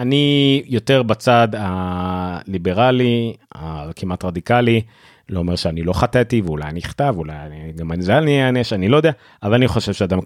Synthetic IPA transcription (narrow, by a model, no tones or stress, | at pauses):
anijo̞t̪e̞ʁbat͡sad̪a | libeʁaliakʰimatʁad̪ikali | loomeʁʃeanilo̞χat̪et̪iveulajaniχtavulajaniɡamanzalnieaneʃanilod̪ea | ʔavalaniχo̞ʃe̞v̥ʃead̪am